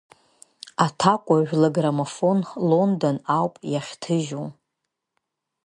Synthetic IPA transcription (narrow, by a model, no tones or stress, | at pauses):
atʰakʷʼaʒᶣlaɡramafo̞nlondonawpʼjaχʲtʰɨʒu